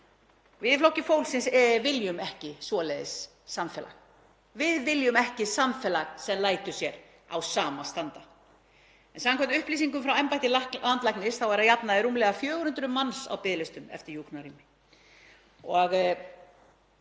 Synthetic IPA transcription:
vɪðɪflowhcːɪfowlsɪnsvɪljʏmɛhcɪsvɔlɛðɪsː | amfɛːla̰ɣ | vɪðvɪljʏmɛhcɪsamfɛːlaɣsɛmlaːjt̪ʏsjɛɾ | a̰wsaːmast̪ant̪a | ɛnsamakʰɛmnt̪ʏhpliːsiŋkʏmfɾawɛmpajt̪ɪlalant̪lajknɪsθawvaɾajapnaðɪɾuːmlɛɣafjœːɣɾʏnt̪ɾʏmansa̰wpɪðlɪst̪ʏmɛ̰ft̪ɪɾjuknaɾiːmɪ | ɔɣ

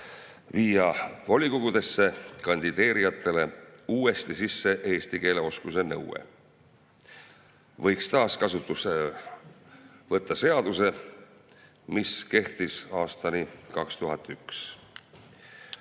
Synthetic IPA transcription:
viːjɑvolʲikoɡ̥ud̪̥e̞sːe̞kɑnʲd̪̥id̪̥e̞ːɾijɑt̪ʰːˑe̞le̞uːe̞st̪isisːe̞ʔe̞ːst̪ike̞ːle̞o̞skus̬e̞nɤ̰wḛ | vɤ̞jkst̪ɑːskɑsut̪ːˑuse | vɤt̪ːɑse̞ɑd̪̥use̞ | miske̞ht̪isɑːst̪ɑnikɑkst̪uɦɑt̪ːˑyks

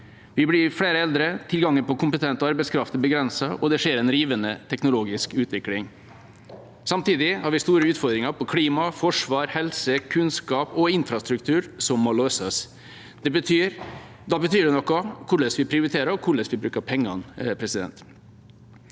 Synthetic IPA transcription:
ʋɪblɪɾfɽeːɾəɛld̪ɾət̪ʰɪlɡɑŋːənpɔkʊmpət̪ʰɛnt̪ɔɑɾbɛɪskʰɾɑft̪ɔbəɡɾɛnsɑʔɔd̪ɛʂeːɾɛnɾiːʋənət̪ʰɛknʊloːɡɪskʉːt̪ʰʋɪklɪŋ | sɑmt̪iːd̪ɪhɑːɾʋɪst̪uːɾəʉːt̪fɔɾd̪ɾɪŋɑɾpʰɔkʰɽiːmɑfɔʂʋɑːɾhɛlsəkʰʉnskɑːpɔɪnfɾɑst̪ɾʉkt̪ʰʉːɾsɔmːɔløːsəs | d̪ɛbət̪ʰyːɾ | d̪ɑbət̪ʰyːd̪ɛnɔkːɔkʰʊɭɛsʋɪpʰɾɪʊɾɪt̪ʰeːɾəɔkʰʊɭɛsʋɪbɾʉːkəpʰɛŋːɑ̰npʰɾɛsɪd̪ɛ̰nt̪

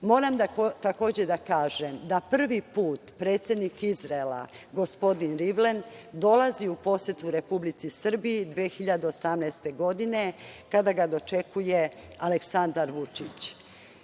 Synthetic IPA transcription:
mo̞ːɾamd̪at̪ako̞ːd͡ʑed̪akaːʒemd̪apr̩ʋipuːt̪pɾeːt̪sʲjed̪nikizɾaela̰ | ɡo̞spo̞d̪inɾiʋlend̪o̞laziupo̞sjet̪uɾe̞publit̪sisr̩biːd̪ʋexiʎad̪eosamnɛːst̪e̞ɡo̞d̪ine̞kad̪aɡad̪o̞t͡ʃe̞kujealeksand̪aɾʋut͡ʃit͡ɕ

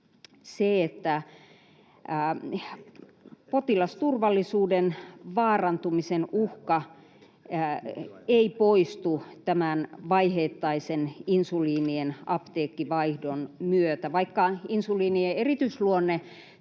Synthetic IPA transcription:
seet̪ːæ | pot̪ilɑst̪urʋɑlːisuːdenʋɑːrɑnt̪umisenuhkɑ | eipoist̪ut̪æmænʋɑiheːt̪ːɑiseninsuliːnienɑpt̪eːkːiʋɑihdonmyøt̪æʋɑikːɑinsuliːnieerit̪yisluonːe

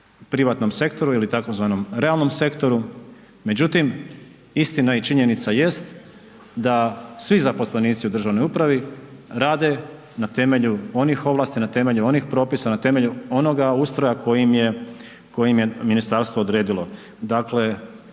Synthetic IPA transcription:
pɾiʋaːt̪no̞mse̞kt̪o̞ɾuilit̪ako̞zʋaːno̞mɾe̞alˠno̞mse̞kt̪o̞ɾu | me̞d͡ʑut̪im | ist̪inait͡ʃiɲe̞nit̪saje̞st̪ | d̪asʋizapo̞sle̞niːt̪siud̪r̩ʒaːʋno̞jupɾaʋiɾaːd̪e̞ | nat̪e̞me̞ʎuo̞nixo̞ʋlˠaːst̪inat̪e̞me̞ʎuo̞nixpɾo̞ːpisanat̪e̞me̞ʎuo̞no̞ɡaust̪ɾojako̞jimje̞ | ko̞jimje̞minist̪aɾst̪ʋoːd̪ɾe̞ːd̪ilo̞ | d̪akle̞

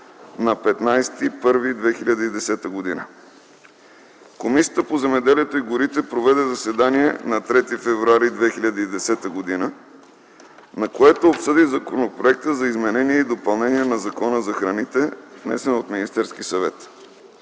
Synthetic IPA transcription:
nɐpɛt̪najst̪ipɤɾvid̪vɛxilʲəd̪əid̪ɛsɛt̪əɡod̪inə̰ | komisʲijət̪əpozɛmɛd̪ɛliɛt̪oiɡʊɾit̪ɛpɾovɛd̪ɛzɐsɛd̪aniɛnɐt̪ɾɛt̪ifɛvɾuaɾid̪vɛxiʎʲəd̪əid̪ɛsɛt̪əɡod̪inə | nɐkoɛt̪oːpsɤd̪izɐkonopɾoɛk̚t̪əzɐizmɛnɛniɛid̪opɐlˠnɛniɛnɐzɐkɔnəzɐxɾɐnit̪ɛvnɛ̰sɛnot̪minist̪ɛɾsk̟isɐvɛt̪

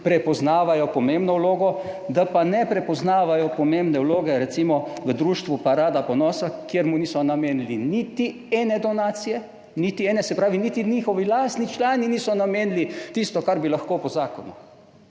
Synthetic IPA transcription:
pɾɛpɔznaːʋajɔpɔmembnɔwloːɡɔd̪apanɛpɾɛpɔznaːʋajɔpɔmembnɛwloːɡɛɾɛt̪simɔʋəd̪ɾuːʃt̪ʋupaɾaːd̪apɔnɔːsakjeɾmuniːsɔnameːnlinit̪i | ɛːnɛd̪ɔnaːt̪sijɛ | nit̪iɛːnɛsɛpɾaːʋinit̪iniːxɔʋilast̪nit͡ʃlaːniniːsɔnameːnlit̪ist̪ɔkaɾbilaxkoːpɔzaːkɔnṵ

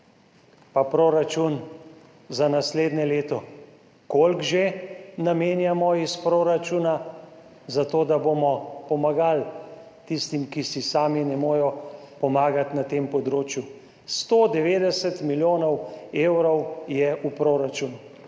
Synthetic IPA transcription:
papɾoːɾat͡ʃun | zanasleːd̪nɛleːt̪ɔ | kolɡʒenameːnjamɔispɾoːɾat͡ʃuna | zat̪oːd̪abomɔpɔmaɡal | t̪ist̪imkisisaːminɛmoːjɔpɔmaːɡat̪nat̪eːmpɔd̪ɾoːt͡ʃju | st̪oːd̪ɛʋeːd̪ɛsɛt̪miljoːnɔweːwɾɔwjɛʔupɾoːɾat͡ʃunu

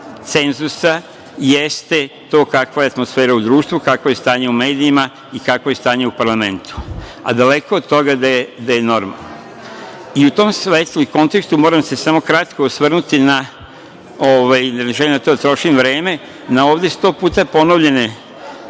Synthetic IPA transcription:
t̪se̞nzusa | jest̪e̞t̪o̞ːkakʋajeat̪mosfeːɾaud̪ɾuːʃt̪ʋukakʋoje̞st̪aːɲe̞ume̞ːd̪iima | ikakʋoje̞st̪aːɲe̞upaɾlame̞nt̪u̥a̰d̪ale̞koːd̪̚t̪o̞ɡad̪aed̪aje̞no̞ɾma̰lˠno | iut̪o̞ːmsʋeːt̪lˠuiko̞nt̪ekst̪umo̞ːɾamse̞samokɾat̪kosʋr̩nut̪ina | oʋajnaʒelimd̪at̪oːd̪at̪ɾo̞ʃimʋɾe̞ːme̞ | naoːʋd̪est̪o̞ːpuːt̪apo̞noʋʎe̞ne̞

